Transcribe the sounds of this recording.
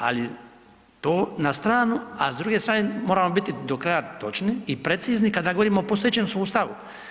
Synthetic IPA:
a̰li | t̪oːnast̪ɾaːnuazd̪ɾuːɡest̪ɾaːnemoːɾamo̞bit̪id̪o̞kɾajat̪o̞t͡ʃniːpɾet̪siːznikad̪aɡo̞ʋo̞ɾiːmoːpost̪ojet͡ɕeːmsuːst̪aʋu

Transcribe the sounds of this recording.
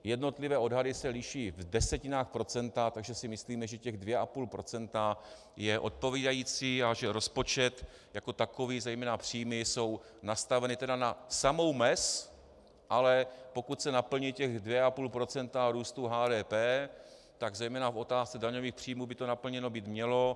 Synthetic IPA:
jɛdno̞t̪lɪvɛːo̞dɦadɪsɛlɪʃiːvdɛsɛcɪnaːxpɾo̞t͡sɛnt̪at̪aɡʒɛsɪmɪsliːmɛʒɛcɛɣdvjɛʔapuːlpɾo̞t͡sɛnt̪a | jɛʔo̞̰t̪̚po̞viːdajiːt͡siːaʒɛɾo̞spo̞t͡ʃɛt̪ | jako̞t̪ako̞viːzɛjmɛːnapr̝̥iːmɪso̞wnast̪avɛnɪt̪ɛdanasamo̞wmɛs | ʔalɛpo̞kut̪sɛnapl̩ɲiːcɛɣdvjɛʔapuːlpɾo̞t͡sɛnt̪aɾuːst̪uɦaːdɛːpɛː | t̪aɡzɛjmɛːnafo̞t̪aːst͡sɛdaɲoviːxpr̝̥iːmuːbɪt̪o̞napl̩ɲɛno̞biːt̪mɲɛlo̞

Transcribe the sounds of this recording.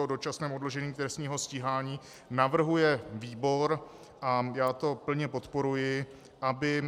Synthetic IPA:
odo̞t͡ʃasnɛːmodlo̞ʒɛɲiːt̪ɾɛst̪ɲiːɦo̞sciɦaːɲiː | navr̩ɦujɛviːbo̞ɾ | ʔajaːt̪o̞pl̩ɲɛpo̞t̪po̞ɾujɪ | ʔabɪ

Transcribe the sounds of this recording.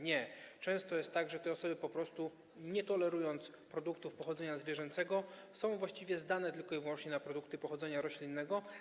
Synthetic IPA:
ɲɛt͡ʂɛ̃w̃st̪ɔjɛst̪ːaɡʐɛt̪ɛɔsɔbɘpɔpɾɔst̪u | ɲɛt̪ɔlɛɾujɔnt̪s | pɾɔd̪ukt̪ufpɔxɔd̪zɛɲazvʲjɛʐɛnt̪sɛɡɔsɔ̃w̃vwaɕt͡ɕivʲjɛzd̪anɛt̪ɘlkɔivwɔnt͡ʂɲɛnapɾɔd̪ukt̪ɘpɔxɔd̪zɛɲaɾɔɕlʲinːɛɡɔ

